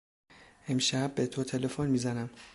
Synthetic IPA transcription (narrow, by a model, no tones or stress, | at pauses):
ʔe̞mʃæbːet̪ʰot̪ʰe̞lefonmiːzænæm